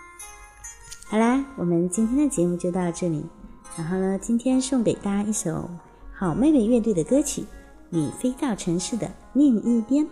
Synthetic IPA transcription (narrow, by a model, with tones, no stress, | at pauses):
xa˧˥ɪla˧˥wɔ˨˩mə˦nt͡ɕi˥nt̪ʰjɛ˥nd̪ə˨t͡ɕjɛ˧˥mu˥˧t͡ɕjo˥˧ʊt̪ɑ˥˧ʊʈ͡ʂɤ˥˩lḭ˨˩˦ɻa˧˥nxo˥˩ʊnə˩t͡ɕi˥nt̪ʰjɛ˥nʂo˥˩ŋpe˨˩ɪt̪a˥˧i˥˩ʂo˨˩˦ʊ | xɑ˨˩ʊme˥ɪme˥˧ɪɥɛ˥˧t̪we˥˩ɪd̪ə˩kɤ˥t͡ɕʰḭ˨˩˦ | ni˨˩fe˥ɪt̪ɑ˥˩ʊʈ͡ʂʰɤ˧˥ŋʂɻ̩˥˩d̪ə̰˩ | njɛ˥˧ŋi˥˩pjɛ˥n